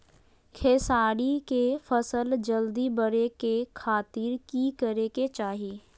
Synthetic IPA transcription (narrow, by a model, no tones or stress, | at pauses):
kʰeːsaːɽikefəsəld͡ʒəld̪ibəɾekekʰaːt̪ɪɾkikəɾeket͡ʃaːɦiː